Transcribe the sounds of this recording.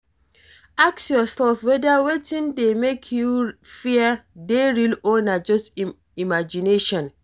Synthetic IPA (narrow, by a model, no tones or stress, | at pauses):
aksjɔsɛlfwɛdawetĩndemekʰjufiədeɹilonad͡ʒɔst | imad͡ʒineʃɔ̃n